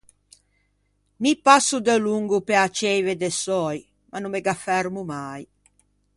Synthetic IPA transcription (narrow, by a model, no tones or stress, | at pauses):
mipasud̪eluŋɡupeat͡ʃɛjved̪esɔj | mʔanumeɡafɛɾmumaj